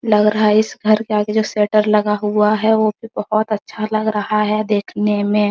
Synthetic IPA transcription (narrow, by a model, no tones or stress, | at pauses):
lɐɡɾɐɦaaɪsɡʱɐɾkeaːɡed͡ʒoːseːʈəɾlɐɡaɦuaɦɛʋobʱibəhʊt̪ɐtːʃʰalɐɡɾɐhaɦɛd̪eːkʰnemẽ